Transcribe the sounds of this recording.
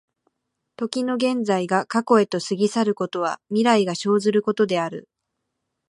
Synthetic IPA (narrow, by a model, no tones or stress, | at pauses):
t̪o̞kʲino̞ɡẽ̞nd͡zaiɡakako̞e̞t̪o̞sɨɡʲisaɾɯ̟ko̞t̪o̞β̞amʲiɾaiɡaɕo̞ːzɨɾɯ̟ko̞t̪o̞d̪e̞aɾɯ̟